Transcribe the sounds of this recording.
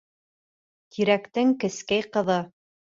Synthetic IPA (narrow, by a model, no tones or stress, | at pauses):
t̪ʰiɾækt̪ɘŋkɘ̆skæjqɤ̆ðɤ